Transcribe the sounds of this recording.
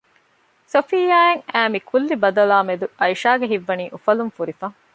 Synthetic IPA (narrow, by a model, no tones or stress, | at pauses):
sofijaːeŋæːmikʰulːibɐd̪ɐlaːmed̪uɐjʃaːɡeɦiʋːɐniːʔufɐlumfuɾifɐŋ